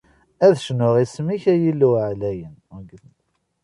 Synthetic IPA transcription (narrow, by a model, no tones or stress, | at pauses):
æðʃnʊʁismiçæjilːuʕlæjənæɡ